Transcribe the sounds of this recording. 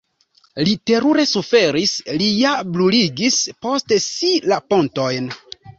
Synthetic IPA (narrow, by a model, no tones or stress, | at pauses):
lite̞ɾuɾe̞sufe̞ɾislijabluliɡispo̞stesilapo̞nto̞jn